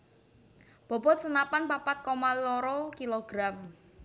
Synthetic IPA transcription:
b̥ɔ̤bɔt̪̚sənapanpapat̪̚kɔmalɔɾɔkiloɡ̥ɾam

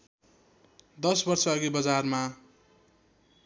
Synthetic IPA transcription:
d̪ʌsbʌrsʌʌɡibʌd͡zarma

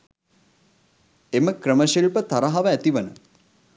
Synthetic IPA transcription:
eməkrəməʃilpət̪aɾaɦaʋəæt̪iʋənə

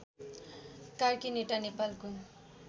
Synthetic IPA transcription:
karkineʈanepalko

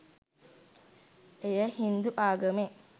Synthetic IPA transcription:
ejəhind̪uʔaːɡəme

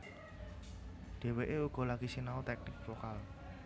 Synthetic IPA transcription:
ɖ̥e̤weʔeuɡ̥ɔ̤laɡ̥isinaut̪ɛk̚nɪk̚fokal

